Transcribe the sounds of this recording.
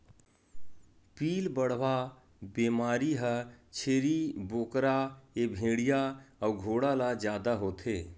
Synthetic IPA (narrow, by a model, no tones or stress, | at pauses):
piːlbəɽ̤ʋa | bemaːɾiɦət͡ʃʰeːɾiboːkɾaebʱẽːɽijaəwɡʱoːɽalad͡ʒjaːd̪aɦoːt̪ʰeː